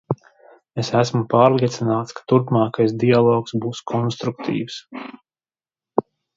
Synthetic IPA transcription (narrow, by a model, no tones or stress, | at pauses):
esæsmupaːɾlˠiɛt̪sinaːt̪skḁt̪uɾpmaːkajsd̪ialˠɔːksbuːskʰɔnst̪ɾuk̚t̪ʰḭːws